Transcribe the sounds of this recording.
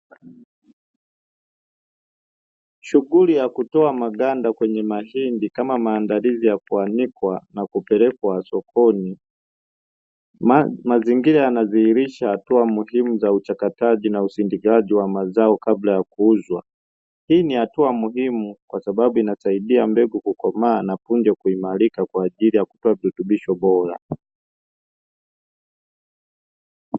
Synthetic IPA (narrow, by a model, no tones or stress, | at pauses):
ʃuɠulijakutɔamaɠandakwɛɲɛmahindikamamaːndalizijakuanikwanakupɛlɛkwasɔkʰɔni | maziŋɡiɾajanazihiɾiʃahatuamuɦimuzaut͡ʃakataʄinausindikaʄiwamazaɔkablajakuuzwa | hiːnihatuamuɦimukwasaɓaɓuinasaiɗiambɛɡukukɔmaːnapund͡ʒɛkuimaɾikakwaːʄilijaku̥tɔaviutuɓiʃɔɓɔɾa̰